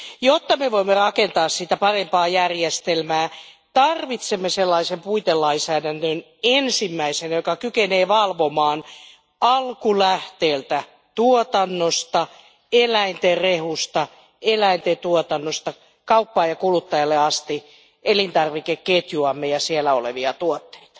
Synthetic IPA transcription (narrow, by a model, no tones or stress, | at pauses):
jot̪ːɑmeʋoimːerɑkent̪ɑːssit̪æpɑrempɑːjærjest̪elmæː | t̪ɑrʋit̪semːeselːɑisempuit̪elːɑinsæːdændøn | ensimːæisenjokɑkykeneːʋɑlʋomɑːn | ɑlkulæht̪eːlt̪æ | t̪uot̪ɑnːost̪ɑ | elæint̪erehust̪ɑ | elæint̪et̪uot̪ɑnːost̪ɑ | kɑupːɑːjɑkulut̪ːɑjɑlːeɑst̪i | ʔelint̪ɑrʋikekket̪juɑmːejɑsielːæoleʋiɑt̪uot̪ːe̥it̪ɑ̥